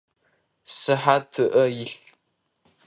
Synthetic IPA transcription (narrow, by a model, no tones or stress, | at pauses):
sɨħatʰɨʔɐjɪɬ